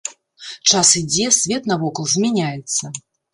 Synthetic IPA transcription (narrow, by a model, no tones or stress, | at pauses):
t͡ʂasid͡zʲɛsʲvʲɛt̪nɐvɔkɐlˠzʲmʲɛnʲajɛt̪sːɐ